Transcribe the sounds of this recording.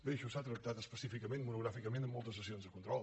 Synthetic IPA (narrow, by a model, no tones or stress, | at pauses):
d̪eʃusat̪ɾək̚t̪at̪əspəsifikəmẽnmunuɣɾafikəmẽnəmːɔlˠt̪əs̬əsionzðəkunt̪ɾɔlˠ